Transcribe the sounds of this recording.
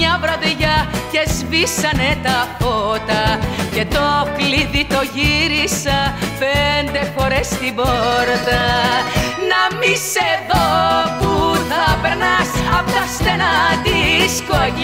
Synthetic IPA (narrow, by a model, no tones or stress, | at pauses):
ɲɐvɾɐðiʝɐce̞zvisɐnet̪ɐfot̪ɐcet̪o̞kliðit̪o̞ʝiɾisɐfend̪e̞fo̞ɾest̪iboɾðɐ | nɐmiseðopuθɐpe̞ɾnɐsɐpt̪ɐst̪enɐd̪isko